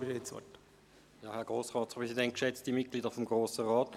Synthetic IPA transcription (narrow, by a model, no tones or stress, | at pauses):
ɪdet͡sʋɔ̰t | jɑːhɛɐɡ̥ʁoːsʁɑːtt͡spʁɛsidɛnt̚kʃɛt͡std̥imit̚ɡ̥liːdəfɔmɡʁoːsəʁɑːt